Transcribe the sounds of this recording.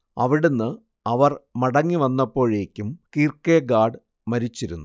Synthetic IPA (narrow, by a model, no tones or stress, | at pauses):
ɐʋiɽenːɨ | ɐʋɐrmɐɽɐŋːiʋɐnːɐpːo̞ːɻe̞ːkʲːumkiːrkeːɡaːɖ | mɐɾit͡ɕːiɾunːu